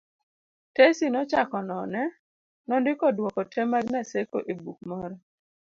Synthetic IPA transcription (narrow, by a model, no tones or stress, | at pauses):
tesinɔt͡ʃakɔnɔnɛ | nɔndɪkɔdwɔkɔtʰɛmaɡnaseko̰ʔebuk̚mɔɾɔ